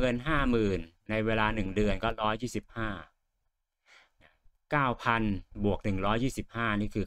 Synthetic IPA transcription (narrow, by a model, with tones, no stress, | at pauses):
ɤ˧nɦaː˥˩mɯː˨˩nːa˧jweː˧laː˧nɯ˨˩ŋdɯ˨˧ənkɔː˥˩ɾɔː˦˥jːiː˥˩si˨˩p̚haː˥˩ | kaː˥˩wpʰa˧nbu˨˩ək̚nɯ˨˩ŋɾɔː˦˥jːiː˥˩si˨˩p̚haː˥˩niː˥˩kʰɯː˧